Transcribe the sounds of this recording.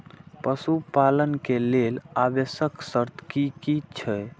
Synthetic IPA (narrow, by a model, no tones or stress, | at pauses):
pəsupalənkelelabesəksəɾt̪ʰkikit͡ʃʰɛj